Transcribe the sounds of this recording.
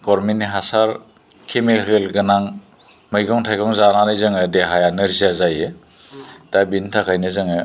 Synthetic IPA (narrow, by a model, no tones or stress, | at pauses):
ɡɔɾminiɦasaɾ | kʰemiɾelɡɯnaŋ | mɯjɡɔŋtʰajɡɔŋzananajzɯŋɯdeɦajanɯɾziazajɯ | tabintʰakʰajnɯzɯŋɯ